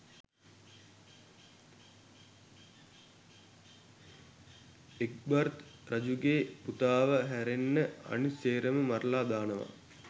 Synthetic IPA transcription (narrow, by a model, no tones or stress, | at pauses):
ek̚bart̪rad͡ʒuɡeːput̪aːʋəɦæɾenːəa̰niseːɾəməmarlaːd̪aːnəʋa̰